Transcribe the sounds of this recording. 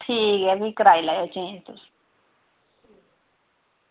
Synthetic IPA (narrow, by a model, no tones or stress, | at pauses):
ʈʰiːkɦɛbʱikəɾaːilaːjot͡ʃẽːd͡ʒt̪ʊs